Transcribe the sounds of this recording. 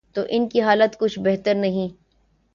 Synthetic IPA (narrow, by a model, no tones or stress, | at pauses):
t̪oːʔɪnkiɦaːlət̪kʊt͡ʃʰbɛɦt̪əɾnɐɦĩː